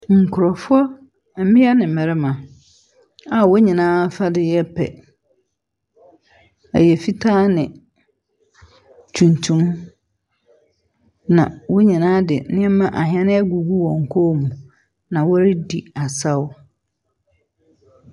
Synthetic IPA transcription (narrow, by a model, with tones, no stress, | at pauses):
ŋ̩˨kʰʊ˨ɾɔ˨fʊ˦ɔ˦ | m̩˨˦mɪ̃˦a˦nɪ̃˨mɛ˨ɾɛ˦mã˨ | a˨wo˦ɲĩ˨nãː˦fa˦dɪ˦jɛ˦pʰɛ̰˨ | æ̰˨jɛ˨fi˦tʰaː˦nɪ̃˨ | tʰũ˨ntʰũ˦m | nã˨wo˦ɲĩ˨nãː˦dɪ˨nɪ̃˦ɛ˦mã˦ʔa˨ɦɪ̃˨ɛ˦nɪ̃˦ɛ˦ɡu˨ɡu˦wɔ̃˨ŋ̩˨kʰɔ˦mũ˨ | nã˨wɔ˦ɾɪ˦di˨a˨sa˦wʊ˦